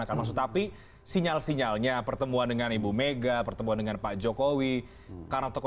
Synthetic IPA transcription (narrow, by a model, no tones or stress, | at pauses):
akanmaksʊk̚t̪api | siɲalsiɲalɲapərt̪əmuandəŋanibumeɡapərt̪əmuandəŋanpad͡ʒokowi | karnat̪ɔkɔ